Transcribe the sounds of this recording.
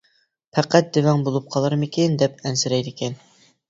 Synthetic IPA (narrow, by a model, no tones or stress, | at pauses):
pʰæqæt̪̚d̪ɪvɛŋbolˠup̚qʰɑlˠɑɾmɪkʲɪnd̪ɛp̚ɛnsɪɾɛjd̪ɪkʲɛn